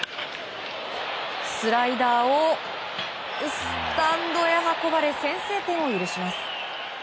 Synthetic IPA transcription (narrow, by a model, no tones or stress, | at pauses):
sɨɾaid̪aːo | sɨ̥t̪ãnd̪o̞jaɦako̞baɾe̞sẽ̞ɰ̃se̞ːt̪ẽ̞ɰ̃ojɯ̟ɾɯ̟ɕimasɨ̥